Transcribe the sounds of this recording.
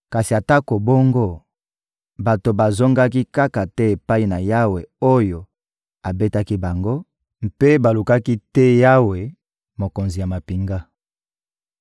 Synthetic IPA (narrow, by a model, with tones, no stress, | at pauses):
ka˨si˨a˨ta˦ko˨bo˦ŋɡo˦ | ba˨to˨ba˨zo˦ŋɡa˦ki˦ka˦ka˨tɛ˦e˨pa˦i˦na˨ja˦we˨o˦jo˨ | a˨be˦ta˦ki˦ba˨ŋɡo˦ | m̩˨pe˦ba˨lu˨ka˦ki˦tɛ˦ja˦we˨ | mo˨ko˨nzi˨ja˨ma˨pi˨ŋɡa˦